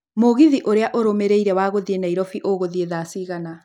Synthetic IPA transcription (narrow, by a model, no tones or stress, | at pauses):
moɣiðiʔoɾeaʔoɾomeɾeiɾɛwaːɣoðienaiɾɔfiʔoɣoðieðasiɣana